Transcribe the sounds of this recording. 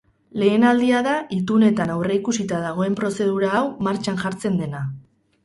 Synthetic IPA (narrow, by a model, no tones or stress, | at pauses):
le̞ːnald̪iaðait̪une̞t̪anawre̞ikusit̪að̞aɣ̞o̞e̞mpɾo̞se̞ð̞uɾaːwmaɾt͡ʃanʝaɾt͡se̞nd̪e̞na